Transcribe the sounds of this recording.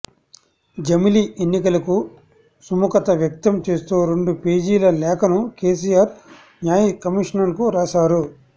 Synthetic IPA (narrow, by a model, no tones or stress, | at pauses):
d͡ʒɐmilienːikɐlɐku | sumukɐt̪ɐʋjɐk̚t̪ɐmt͡ʃe̞ːst̪uːɾeɳɖupeːd͡ʒiːlɐlɛːkʰɐnukeːs̬ijaːɾ | njaːjikɐmiʂɐnɐnkuɾaːsaːɾu